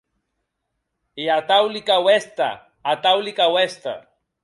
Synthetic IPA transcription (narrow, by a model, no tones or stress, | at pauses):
eat̪awlikawest̪a̰ː | t̪awlikawest̪a̰